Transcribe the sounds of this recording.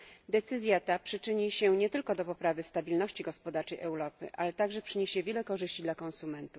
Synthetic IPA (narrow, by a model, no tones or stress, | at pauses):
d̪ɛt̪sɘzʲjat̪apʂɘt͡ʂɘɲiɕɛɲɛt̪ɘlkɔd̪ɔpɔpɾavɘst̪abʲilnɔɕt͡ɕiɡɔspɔd̪aɾt͡ʂɛjʔɛwɾɔpɘ̰ʔalɛt̪aɡʐɛpʂɘɲeɕɛvʲjɛlɛkɔʐɘɕt͡ɕid̪lakɔ̃nsumɛnt̪uf